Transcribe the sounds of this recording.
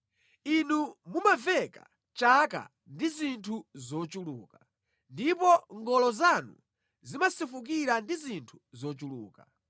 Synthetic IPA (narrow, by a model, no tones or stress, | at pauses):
inumumavɛka̰ | t͡ʃaka̰ | ndizintʰuzɔt͡ʃuluːka | ndipɔŋɡɔlɔzanu | zimasifuk̬iɾandizintʰu̥zɔt͡ʃuluːka